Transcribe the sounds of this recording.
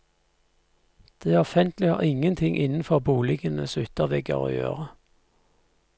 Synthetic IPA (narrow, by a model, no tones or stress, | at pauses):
d̪̥eːæɔfɛnt̪lɪhɑ̰ːʁɪŋənt̪ʰɪŋʔɪnn̩fɔʁbuːlɪɡənəsʉt̪əʁʋɛɡə̰ʁo̰ːjø̰ːʁə